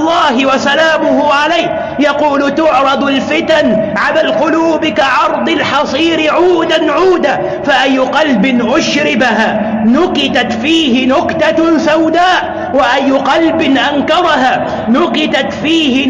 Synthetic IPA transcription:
lˤːɑːɦɪwasalaːmʊhʊʕalajk | jɑquːlt̪ʊʕɾˤɑd̪ˤalfɪt̪anʕalaːlqʊluːbɪkaʕɑɾˤd̪ˤɑlħɑsˤiːɾɪʕuːd̪anʕuːd̪aː | faʔajːʊqɑlbɪnʔʊʃɾɪbaɦaː | nʊqɪt̪at̪fiːhɪnʊqt̪asawd̪aːʔ | waʔajːʊqɑlbɪnʔankɑɾˤɑɦaː | nʊqɪt̪at̪fiːhɪ

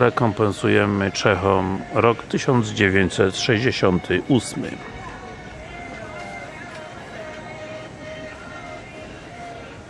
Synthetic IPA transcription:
ɾɛkɔmpɛnsujɛmɘt͡ʂɛxɔmɾɔkt̪ɘɕɔnd̪zd͡ʑevʲjeɲt͡ɕsɛt̪ʂɛʑd͡ʑeɕɔnt̪ʰɘʔusmɘ̰

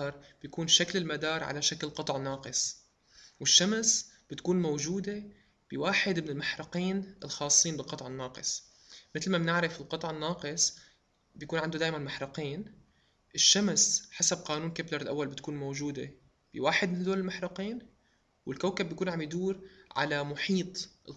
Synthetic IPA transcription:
ɑɾˤb̥jakuːnʃaklɪlmad̪ɑːɾˤʕa̰laʃaklqɑt̪ˤʕɪnːɑːqɨsˤ | wɪʃːamsb̥ɪt̪kuːnmowʒuːd̪e | b̥ɪwaːħɪd̪mɪnɪlmaħɾɑqiːnɪlxɑːsˤːiːnbɪlqɑt̪ˤʕɪnːɑːqɨ̰sˤ | mɪt̪lmamnɪʕɾɪfɪlqɑt̪ˤʕɪnːɑːqɨsˤ | bjakuːnʕand̪ud̪aːʔmanmaħɾɑqiːn | ʔɪʃːamsħasab̚qaːnuːnkablɪɾˤɪlʔa̰wːalbɪt̪kuːnmowʒuːd̪ḛ | b̥ɪwaːħɪd̪̚mɪnd̪oːlɪlmaħɾɑqiːn | wɪlkawkabːjkuːnʕambjd̪uːɾʕa̰lamʊħiːt̪ˤɪl

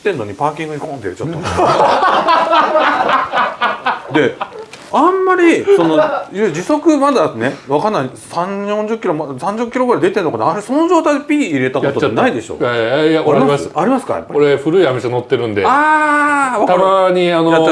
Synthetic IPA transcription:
t̪ːenːo̞ɲ̟ipaːkʲĩŋɡɯ̟ikõnt̪eeɾet͡ɕat̪o | d̪e̞ | ãmːaɾʲiso̞no̞jɯd͡ʑiso̞kɯ̟mad̪ane̞βakanːaisãɲjõɲd͡ʑɨkʲːiɾo̞mad̪sãɲ̟d͡ʑɨkːʲiɾoɡɯɾaid̪et̪enːokanaaɾeso̞no̞ʑo̞ːt̪aid̪epʲiːɾe̞t̪akot̪oaenaid̪e̞ɕo̰aajaiimasaɾʲimasɨ̥ka̰ja̰pːa̰koɾeɸɯ̟ɾɯ̟iamʲesanot̪ːeɾɯ̟̃nd̪ea | βakt̪aɾaɲianojat͡ɕa

